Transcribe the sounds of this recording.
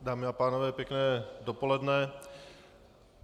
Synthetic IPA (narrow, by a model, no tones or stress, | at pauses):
daːmɪapaːnovɛːpjɛknɛːdopolɛdnɛ